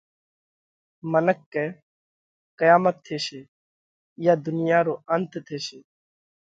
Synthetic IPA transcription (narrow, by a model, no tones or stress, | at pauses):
mənəkːeː | kəjaːmət̪ʰːeːʃeː | jaːd̪ʊnɪjaːɾoːənt̪ʰt̪ʰeːʃeː